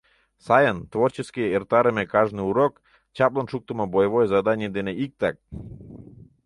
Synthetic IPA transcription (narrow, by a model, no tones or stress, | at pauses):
sajənt̪ʋort͡ɕeskʲijeert̪aɾemekaʒnɨuɾok | t͡ɕaplˠonʃuk̚t̪omabojevojzad̪anʲed̪eneʔik̚t̪ak̚